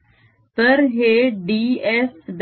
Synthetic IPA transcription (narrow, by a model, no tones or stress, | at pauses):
t̪əɾɦeɖiːesd̪